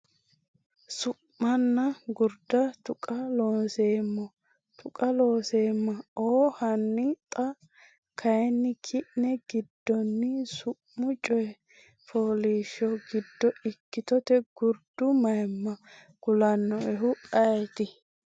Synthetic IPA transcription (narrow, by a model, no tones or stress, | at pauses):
sʊʔmɐnːɐɡʊɾd̪ɐt̪ʊkʼɐloːnseːmːɔ | t̪ʰʊkʼɐloːseːmːɐoːhɐnːɪt̪ʼɐ | kʰɐjnːɪkʰɪʔnɛɡ̥ɪd̪ːɔnːɪsʊ | mʊt͡ʃʼɔjɛ | foːliːʃːɔɡɪd̪ːɔɪkːɪt̪ɔt̪ɛɡ̥ʊɾd̪̥ʊmɐjɛmːɐ | ɡ̥ʊlɐnːɔʔɛɦʊɐt̪ɪ